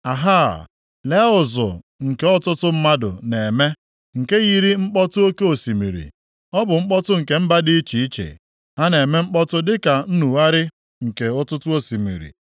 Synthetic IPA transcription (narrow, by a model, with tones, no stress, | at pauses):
a˨ɦa˦˨ | le˦ʊ˨zʊ̰˨ | ŋ̩˨ke˨ɔ˦tʊ˦tʊ˦m̩˦ma˦dʊ̰˨ne˨me˦ | ŋ̩˨ke˦ɣi˦ɾi˦ŋ͡m̩˦k͡pɔ˦tʊ˦o˦ke˦o˨si˨mḭ˨ɾḭ˨ | ɔ˦bʊ˨ŋ͡m̩˦k͡pɔ˦tʊ˦ŋ̩˨ke˨m̩˦ba˦di˦i˦t͡ʃi˨i˦t͡ʃḛ˨ | ha˦ne˨me˦ŋ͡m̩˦k͡pɔ˦tʊ˦dɪ˦ka˨n̩˦nu˨wa˦ɾɪ˦ | ŋ̩˨ke˨ɔ˦tʊ˦tʊ˦o˦si˨mḭ˨ɾḭ˨